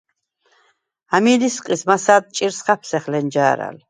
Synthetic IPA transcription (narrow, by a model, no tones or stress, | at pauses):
amilisqʼismasaːd̪̚t͡ʃʼiɾsχapʰsɛχlɛnd͡ʒaːɾa̰l